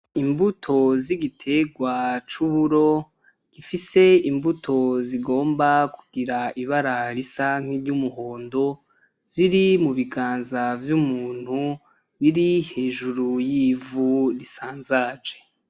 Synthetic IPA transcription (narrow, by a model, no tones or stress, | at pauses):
imbutʰo̞ziɡitʰe̞ɡwat͡ʃuβuɾo̞ | ɡ̥ifise̞imbutʰo̞ziɡo̞ːmbakuɡiɾaiβaɾaɾisaŋ̥eɾɟumuɦo̞ːndo̞ | z̥iɾimuβiɡaːnzavjumuːn̥hu | βiɾihe̞ːʒuɾujivuɾisaːnzaːd͡ʒe